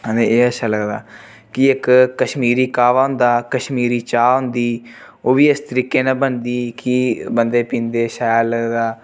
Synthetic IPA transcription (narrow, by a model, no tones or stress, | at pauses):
ɦə̃nd̪eːeːəʃʰaːləɡd̪a̰ː | kɪɪkːəʃmiːɾiːkaːʋaːɦʊ̃nd̪aːkəʃmiːɾiːt͡ʃaːɦʊ̃nd̪iː | oːʋiːɪst̪əɾiːkeːnaːbənd̪iːkiːbənd̪eːpĩːnd̪eːʃaːləɡd̪aː